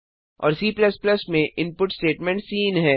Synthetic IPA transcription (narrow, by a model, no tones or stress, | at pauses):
ɔ̰ːɾsiːplɐspləsmẽʔɪ̃npʊʈsʈeːʈmɛ̃ɳʈsiːnɦɛː